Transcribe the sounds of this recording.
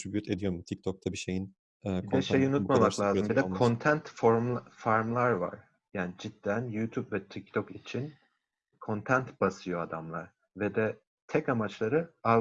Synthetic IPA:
ʃybyt̪ʰed̪ijoɾmut̪ʰik̚t̪ʰok̚t̪ʰabiʃejin | ɛkbid̪ɛʃejunut̪mamaklˠʲaːzmbid̪ɛkʰo̞nt̪ʰænt̪foɾmlˠfaɾmlˠaɾva̰ɾ̥ | jaːnid͡ʒid̪ːænjuːt̪ʰupvɛt̪ʰik̚t̪ʰokit͡ʃʰin | kʰo̞nt̪ʰænt̪b̥asɯjo̞ad̪amlˠa̰ɾ̥ | vɛd̪ɛ | t̪ʰɛkamat͡ʃlˠaɾɯa

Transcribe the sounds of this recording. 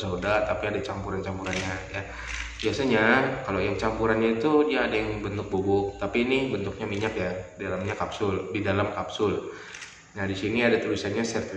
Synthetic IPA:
saudart̪apiadat͡ʃampuɾant͡ʃampuɾanɲaja | biasaɲakalojaŋt͡ʃampuɾanɲait̪udiaːdajaŋbənt̪ʊk̚bobʊk̚t̪apinɪhbənt̪ʊk̚ɲamiɲakjadidalamɲakapsʊldidalamkapsʊl | nadisiniadat̪ulisanɲasɛrt̪

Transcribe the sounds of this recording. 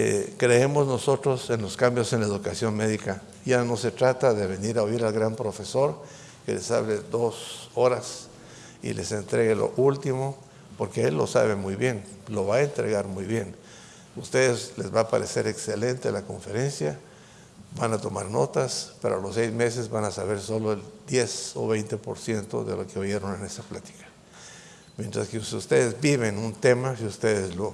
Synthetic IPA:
ḛkɾeemozno̞so̞t̪ɾose̞nlo̞skambjosenlaeðukasjo̞nmeðika | jano̞se̞t̪ɾat̪aðeβe̞niɾaoiɾalɣɾampɾo̞fe̞so̞ɾ | ke̞̰le̞sa̰βled̪o̞so̞ɾas | ḭle̞se̞nt̪ɾeɣelo̞̰ʔult̪imo̞ | po̞ɾkeelːo̞̰sa̰βe̞mujβje̞nlo̞βaent̪ɾe̞̰ɣaɾmujβje̞n | ust̪eðesle̞zβapaɾese̞ɾeksele̞nt̪elako̞̰ɱfe̞ɾe̞nsja | banat̪o̞maɾno̞t̪aspeɾoalosejzme̞s̬e̞zβanasaβe̞ɾso̞lo̞eld̪je̞soβejnt̪e̞po̞ɾsje̞nt̪o̞̰ðe̞̰lo̞keoje̞ɾo̞nene̞saplat̪i̥kḁ | mjent̪ɾaskeusust̪eðezbiβenunt̪emasiust̪eðezlo

